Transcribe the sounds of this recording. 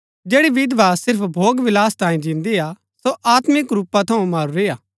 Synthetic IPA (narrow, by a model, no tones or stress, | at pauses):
d͡ʒɛːɽiʋɪd̪ʋasɪɾpʰbʱoːɡʋɪlaːst̪ãːĩd͡ʒĩːnd̪ija | soʔaːt̪mɪkɾuːpːat̪ʰɐũmaːɾuɾejaː